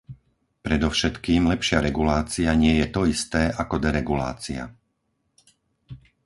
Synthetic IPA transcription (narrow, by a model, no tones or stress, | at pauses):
pɾɛd̪ɔfʃɛt̪kiːmlɛpʃɪaɾɛɡulaːt͡siaɲɪɛjɛt̪ɔist̪ɛːʔakɔd̪ɛɾɛɡula̰ːt͡sia̰